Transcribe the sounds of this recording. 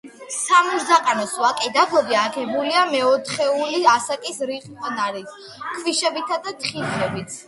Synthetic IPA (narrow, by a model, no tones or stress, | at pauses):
samuɾzaqʼanɔswakʼɛd̪aɡɔbiakʰɛbuliamɛɔt̪ʰχɛuliasakʼisɾiχpʼnaɾit̪ | kʰviʃɛbit̪ʰad̪at̪ʰχiχɛbit̪s